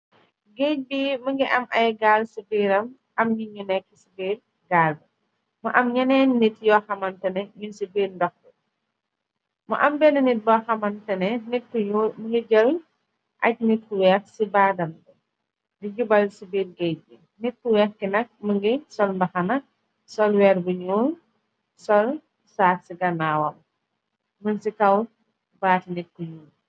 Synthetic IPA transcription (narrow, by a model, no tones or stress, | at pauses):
ɡec̚biːməŋɡiʔɐmʔɐjɡaːlsibiːɾɐm | ʔɐmɲiɲunɛkːisibiːɾ | ɡaːlb | muʔɐmɲɐnɛnːitjɔxɐmɐntɐnɛɲinsibiːɾndɔxbu | mṵʔɐmbɛnɐnit̚bɔxɐmɐntɐnɛnit̚kuumuŋɡiɟɐwɲ | ʔɐc̚nit̚kuwɛːxsibaːdɐnbu | diɟubɐlsibiːɾɡɛjbi | nit̚kuwɛːxkinɐk̚məŋɡisɔlmbɐxɐnɐ | sɔlwɛːrbuɲuːl | sɔl | saːtsiɡɐnaːwɐm | munsikɐw | baːtinit̚kuɲuːn